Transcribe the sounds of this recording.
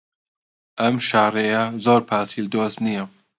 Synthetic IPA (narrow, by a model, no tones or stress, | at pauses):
ʔɐmʃaːrejɐzoːɾpʰaːsilɨd̪oːst̪nijɐ